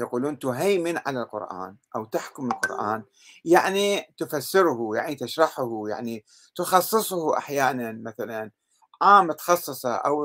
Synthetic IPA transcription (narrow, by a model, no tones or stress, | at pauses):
jaquːluːnt̪ʊɦajmɪnʕa̰lalqʊ̰ɾʔa̰ːnʔawt̪aħkʊmɪlqʊ̰ɾʔa̰ːn | jaʕnit̪ʊfasːɪɾʊhujaʕnit̪ɪʃɾˤɑħʊhuja̰ʕni | t̪ʊxɑsˤːɨsˤhʔa̰ħjaːnanmaθalan | ʕaːmt̪xɑsˤːɨsˤɑʔa̰w